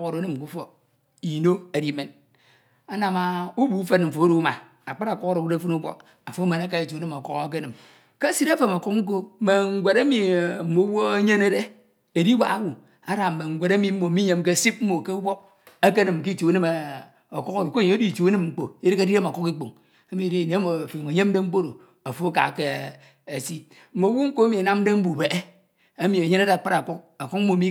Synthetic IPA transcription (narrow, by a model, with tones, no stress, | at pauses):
ko˨ɾo˨˦nɨ˦m˨ku˦fo˨ | i˨no˦e˨di˦˨me˨n | a˦na˨ma˨u˦bu˨˦fe˦nm̩˨fo˨o˦ɾo˦ma˨ | a˨k͡pa˦ɾa˨ko˦ko˦ɾo˨wu˦e˦fu˦nu˦bʷo̰˦k | a˨fo˨˦me˨na˦ka˦e˨t͡ʃo˨˦nɨ˦mo˨kɔ˦kk̬e˦nɨ˨m | ke˦si˦ɾa˦fe˨mo˨ku˦k̚ŋ̩˦k̬o˦me˨ŋ̩˨˦ɡʷe˨ɾe˦mi˨m̩˨mo˨˦wo˦e˦ɲe˦ne˦ɾe˦ | e˨di˦wʷa̰˦a˦wu˨ | a˦ɾa˨m̩˨me˨ŋ̩˨ɡʷe˨ɾe˦mi˨m̩˦mo˨mi˦ɲe˦m˦k̬e˦˨si˦p̚m̩˦o˨ke˦u˦wo˦k̚ | e˦ke˦nɨ˨m˨ki˦˨t͡ʃo˨˦nɨ˦m˨ | o˨ku˦ko˦i˨ko˦˨ɲe˨˦o˦di˦˨t͡ʃu˨˦nɨ˦mŋ͡m̩˨k͡po̰˨i˦ɾi˦ka˦di˦ɾe˦˨a˨ku˦ki˦k͡po˨ŋ | e˦mi˨de˦˨ne˨˦mo˨fo˨ŋo˨ɲe˦m˦de˦ŋ͡m̩˦k͡po˦ɾo˨ | a˨fo˦ka̰˨ke˦ | e˨si˦ | m̩˦˨mo˨˦wu˦ŋ̩˦ko˦e˦mi˨a˨na˦m̩˦de˦m̩˦bu˨be˨ʔe˦ | e˦mi˨e˨ɲe˦ne˦ɾe˦a˨k͡pa˦ɾa˨ku˦k̚a˨ku˦k̚m̩˦o˨mi˦